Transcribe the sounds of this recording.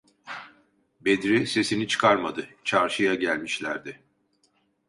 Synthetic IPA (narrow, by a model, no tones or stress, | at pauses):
be̞d̪ɾise̞sinit͡ʃʰɯ̥kʰaɾmad̪ɯt͡ʃʰaɾʃɯjaɟælʲmiʃlʲæɾd̪ɪ